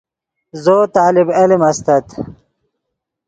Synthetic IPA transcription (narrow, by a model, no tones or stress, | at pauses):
zoːt̪aːlibɐlimɐst̪ɐt̪